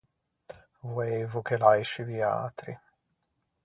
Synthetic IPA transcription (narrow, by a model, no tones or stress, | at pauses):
vwejvukelajʃivia̰ːt̪ɾḭ